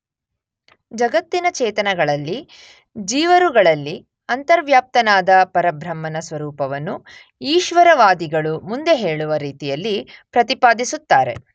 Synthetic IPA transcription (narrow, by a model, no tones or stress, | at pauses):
d͡ʒɐɡɐt̪ːinɐt͡ʃɛːt̪ɐnɐɡɐɭɐlːi | d͡ʒiːʋɐɾuɡɐɭɐlːi | ɐnt̪ɐɾʋjaːp̚t̪ɐnaːd̪ɐpɐɾɐbʱɾɐmːɐnɐsʋɐɾuːpɐʋɐnːu | iːʃʋɐɾɐʋaːd̪iɡɐɭumund̪e̞ɦe̞ːɭuʋɐɾiːt̪ijɐlːipɾɐt̪ipaːd̪isut̪ːaːɾe̞̰